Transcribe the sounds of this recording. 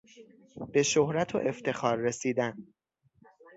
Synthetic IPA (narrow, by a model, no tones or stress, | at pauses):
b̥e̞ʃohɾæt̪ʰo̰ʔe̞ft̪e̞xɒːɾːe̞siːd̪æn